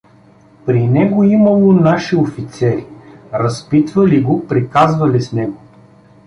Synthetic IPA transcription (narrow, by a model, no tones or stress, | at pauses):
pɾinɛɡoimɐlˠonaʃiofit̪sɛɾiɾɐspit̪vɐliɡopɾikazvɐlisnɛɡo